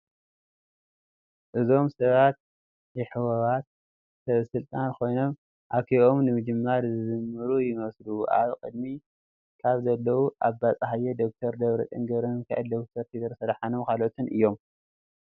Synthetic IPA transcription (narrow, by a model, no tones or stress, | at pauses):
ʔɨzo̞msɐβat̪̚ | jɪħɨwɐβat̪̚ | sɐβsɨlt̪ʼankʰo̞jno̞m | ʔakʰiʔo̞mnɨmɨd͡ʒɨmːaɾzɨzɨmːɨɾujɪmɐsluʔa̰βɨkʼɨd̪mi | kʰaβzɐlːɐwuʔaβbat͡sʼɦajed̪o̞k̚t̪ʰɐɾd̪ɐβɾɐt̪ʼɨ̰ŋɡɐɾɐnkʰaʔʕɐld̪o̞k̚t̪ʰɐɾt̪ʰiɡɐɾsɐɾħanomkʰalot̪ʰɨnʔɨjːo̞m